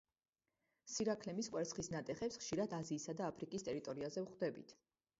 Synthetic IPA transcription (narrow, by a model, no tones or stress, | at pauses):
siɾakʰlɛmisqʼwɛɾt̪sχisnat̪ʼɛχɛpsχʃiɾad̪aziːsad̪aːpʰɾikʼist̪ʼɛɾit̪ʼɔɾiazɛvχd̪ɛbḭt̪ʰ